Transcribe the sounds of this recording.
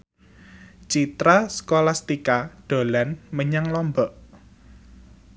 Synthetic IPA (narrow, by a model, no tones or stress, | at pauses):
t͡ʃit̪ɾaskolast̪ikaɖ̪̥o̤lanməɲaŋlɔmbɔʔ